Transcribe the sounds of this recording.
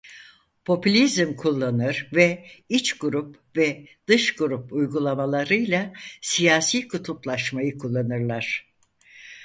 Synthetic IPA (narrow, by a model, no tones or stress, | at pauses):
pʰo̞pylʲizmkʰulˠːanɯɾ̥vɛit͡ʃɡuɾup | vɛd̪̥ɯʃɡuɾupujɡulˠamalˠaɾɯjlˠasijaːsiːkʰut̪ʰuplˠaʃmajɯkʰulˠːanɯɾlˠaɾ̥